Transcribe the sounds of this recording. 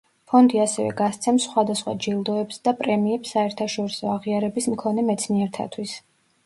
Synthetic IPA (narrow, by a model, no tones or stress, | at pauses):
pʰɔnd̪iasɛvɛ̰ɡast̪sʰɛmsχwad̪asχwa̰d͡ʒilˠd̪ɔɛpsd̪apʼɾɛmiɛpsːaɛɾt̪ʰaʃɔɾisɔaʁiaɾɛbismkʰɔnɛmɛt̪sʰniɛɾt̪ʰa̰t̪ʰwis